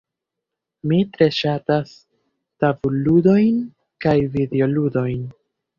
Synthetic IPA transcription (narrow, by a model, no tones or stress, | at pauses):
mitɾe̞ʃatas | tavuludo̞jn | kajvideo̞ludo̞jn